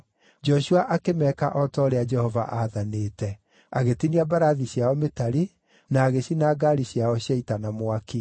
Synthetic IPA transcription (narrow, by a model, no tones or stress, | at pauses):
d͡ʒɔʃuaʔakemɛkaʔɔtɔɾead͡ʒɛhɔva̰ʔaðaneːtɛ | aɣetiniabaɾaðiɕjaɔmetaɾi | naːɣeɕinaːɡaɾiɕjaɔɕjaitanamoaki